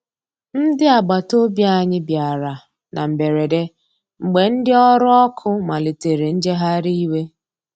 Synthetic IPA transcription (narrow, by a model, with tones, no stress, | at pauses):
n̩˦dɪ˦a˨ɡ͡ba˨to˦bja˦˨ɲɪ˦bja˨ɾa˨ | na˨m̩˨be˨ɾe˨de˦ | ŋ͡m̩˨ɡ͡be˨n̩˦dɪ˦ɔ˦ɾʊ˦ɔ˦kʰʊ˦ma˨le˨te˨ɾe˨n̩˦d͡ʒe˦ɦa˦ɾi˦i˦we˦